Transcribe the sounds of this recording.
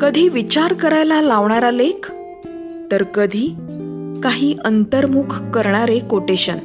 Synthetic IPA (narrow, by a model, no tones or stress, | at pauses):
kəd̪ʱiːʋit͡ɕaɾkəɾajlalaʋɳaɾalekʰ | t̪əɾkəd̪ʱiː | kaɦiːʔənt̪əɾmukʰkəɾɳaɾekoʈeɕən